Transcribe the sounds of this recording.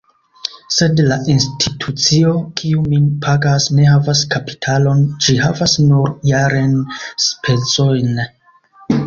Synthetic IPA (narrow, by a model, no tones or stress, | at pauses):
se̞dlaʔinstʰitʰut͡sio̞kʰiuminpʰaɡasne̞havaskapi̥tʰalo̞nd͡ʒiɦavasnuɾjaɾenspʰe̞t͡so̞jn